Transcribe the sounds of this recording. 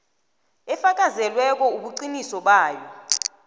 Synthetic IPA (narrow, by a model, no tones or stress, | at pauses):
ɛfak̬ʼazɛlwɛk̬ʼɔuɓuǀinisɔɓaːjɔ